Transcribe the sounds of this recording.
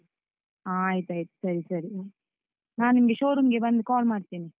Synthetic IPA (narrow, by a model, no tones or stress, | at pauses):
aːjt̪aːjt̪u̥sɐɾisɐɾi | naːnnːimɐɡeʃoːɾumɡe̞bɐnd̪kaːlmaːɽt̪iːni